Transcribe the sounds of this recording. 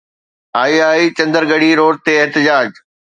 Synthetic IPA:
aːiaːit͡ɕɐ̃nd̪əɾɡɐɽiɾoːɽt̪eɪɦt̪ɪd͡ʑaːd͡ʑ

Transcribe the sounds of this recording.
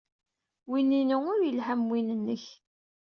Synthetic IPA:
wininəŋʊɾjəlhæmwinənːəç

